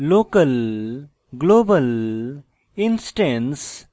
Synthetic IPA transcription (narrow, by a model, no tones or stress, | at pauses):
loːkəl | ɡloːbəl | ɪnsʈẽns